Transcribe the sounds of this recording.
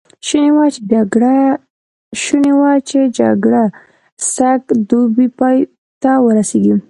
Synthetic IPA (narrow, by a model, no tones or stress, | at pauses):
ʃunewat͡ʃed͡ʒaɡɽa | ʃunewat͡ʃed͡ʒa̰ɡɽa | sakd̪ubipɑj | t̪awəɾaseɡi